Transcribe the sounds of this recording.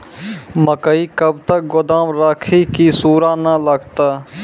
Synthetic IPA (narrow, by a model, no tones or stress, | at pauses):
məkəikəb̚t̪ək̚ɡʊd̪aːmɾaːkʰikisuːɾaːnələɡt̪aː